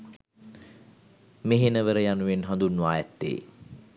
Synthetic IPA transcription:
meɦenəʋəɾəjanuʋenɦãnd̪unːuaːjɛt̪ːḛː

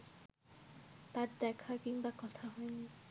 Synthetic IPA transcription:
t̪aɾd̪ɛkʰakiŋbakɔt̪ʰaɦɔjni

